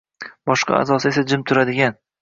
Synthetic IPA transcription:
bɒʃqʰɑ̰a̰zɒsɪe̞sad͡ʒɪmt̪ʰʊɾad̪ɪɡʲan

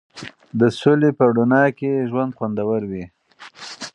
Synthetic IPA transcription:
d̪əsolepəɽunɑkeʒwand̪xwand̪awəɾwi

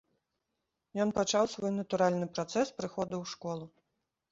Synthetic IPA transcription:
jɔnpat͡ʂawsvɔjnɐt̪uɾalʲnɨpɾat̪sɛspɾɨxɔd̪ɐwʂkɔlˠu

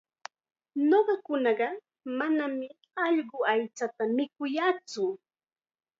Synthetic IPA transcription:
noɢɑkʊnɑɢɑ | manamɪ | ɑʎɢʊajt͡sat̪amɪkʊjat͡sʊ

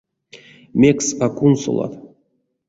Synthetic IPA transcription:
mʲeksakunso̰lˠa̰t̪

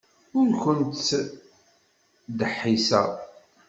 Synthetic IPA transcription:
ʊɾkənt̪ː | d̪əħːisæ̰

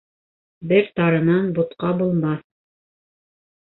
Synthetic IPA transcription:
bɘɾt̪ɑɾɤ̆nɑnbut̪qɑbulˠmɑ

